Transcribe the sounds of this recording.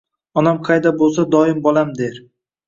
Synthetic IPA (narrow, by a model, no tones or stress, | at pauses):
ɒnamqʰɑjd̪abolˠsad̪ɒɪmbɒlˠamd̪e̞ɾ